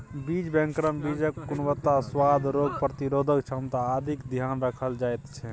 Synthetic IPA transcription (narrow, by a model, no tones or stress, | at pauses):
bid͡ʒbɛ̃ŋkɾəmbid͡ʒəkːunwət̪ːaswad̪ʱɾoɡpɾət̪iɾod̪ʱəkt͡ʃʰənt̪aːd̪ʱikd̪ʱijanɾəkʰəld͡ʒajt̪t͡ʃʰɛ